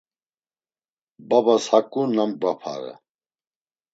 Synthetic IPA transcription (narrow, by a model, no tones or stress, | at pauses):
babashakʼunambapʰa̰ɾə̰